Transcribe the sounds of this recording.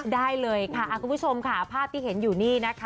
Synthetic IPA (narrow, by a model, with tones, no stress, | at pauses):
daː˥˩jlɤː˧jkʰa˥˩ʔa˨˩kʰu˧mpʰu˥t͡ɕʰo˧mkʰa˦˥˩pʰaː˥˩p̚t̪ʰiː˥˩ɦe˩˦njuː˨˩niː˥˩na˦˥kʰa˦